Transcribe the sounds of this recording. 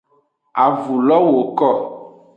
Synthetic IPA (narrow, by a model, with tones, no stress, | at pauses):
a˨vu˨lɔ˦wo˨kɔ˦